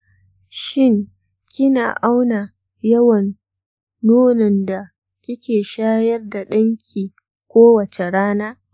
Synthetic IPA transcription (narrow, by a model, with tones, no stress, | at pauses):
ʃɪ˦ŋ | kʲɪ˦naː˨ʔa˦wna˨ | jɐ˦wɐ˨nː | uː˦nɪ˨nda˨ | kʲɪ˦kʲeː˨ʃaː˦jɐ˦rda˨ɗɐ˦ŋkʲʰiː˨ | kʷoː˦wɐ˨t͡ʃe˨ɽaː˦naː˦